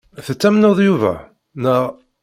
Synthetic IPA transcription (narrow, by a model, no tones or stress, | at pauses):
θət͡sːæmnoðˤjuvæ̰ | nəʁ